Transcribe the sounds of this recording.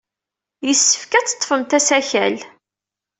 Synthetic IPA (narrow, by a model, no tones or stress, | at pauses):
jəsːə̥fkæt͡sːə̥t̪ˤːfəmt̪æsæçæ̰l